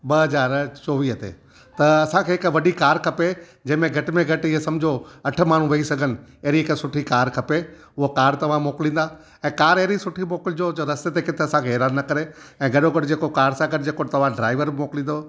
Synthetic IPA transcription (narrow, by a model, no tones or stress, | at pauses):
ɓɐɦɐzaːɾt͡ɕoːʋiːɦət̪ḛ | t̪ɐɐsãkʰeːɦɪkʋɐɗikaːɾkʰɐpe | d͡ʑɐ̃ɦɪ̃mẽɡʱɐʈɪ̆mẽɡʱɐʈɪɦesɐ̃md͡ʑʱoɐʈ̆ʰmaːɳ̤ũʋɐisɐɡʱənɪ̆ɐɦɾiɦɪksʊʈʰikaːɾkʰɐpe | ʊɦokaːɾt̪ɐʋ̤ãmoːkɪlĩːn̆d̪aː | ɛ̃ːkaːɾeɦɾisʊʈʰimoːkɪld͡ʑoːd͡ʑoːɾɐst̪et̪̬ekɪt̪ʰeɐsãkʰeɦɛːɾãːnːɐkɐɾeɛ̃ːɡʱɐɗoɡʱɐʈd͡ʑeːkokaːɾsãɡɐʈd͡ʑeːkot̪ɐʋ̤ãɖɾaːɪʋəɾbɪmoːkɪlĩːn̆d̪o